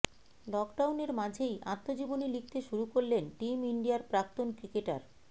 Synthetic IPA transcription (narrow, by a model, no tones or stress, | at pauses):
lɔkɖawneɾmad͡ʑʱejat̪ːod͡ʑibonilik̚ʰt̪eʃuɾukoɾlenʈimiɳɖiaɾpɾak̚t̪onkɾikeʈa̰ɾ